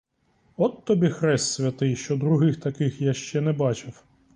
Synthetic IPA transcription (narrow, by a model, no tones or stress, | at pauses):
ɔt̪ːɔbʲixɾɛst̪ʲsʲʋʲɐt̪ɪjʃt͡ʃɔd̪ɾʊɦɪxt̪ɐkɪxjaʃt͡ʃɛnɛbɑt͡ʃɪw